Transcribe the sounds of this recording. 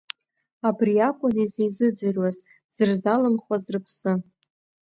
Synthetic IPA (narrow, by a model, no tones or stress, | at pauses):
abriakʷʼʊnizejzɨd͡ʒʷɨrwaz | z̥ɨrzalɨmχwazrɨpʰsɨ